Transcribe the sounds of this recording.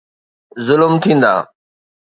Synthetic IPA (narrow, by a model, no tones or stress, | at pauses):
zʊlmt̪ʰĩːn̆d̪a̰ː